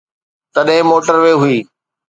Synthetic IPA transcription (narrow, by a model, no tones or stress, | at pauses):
t̪ɐɗɦɪ̃moːʈəɾʋeɦʊiː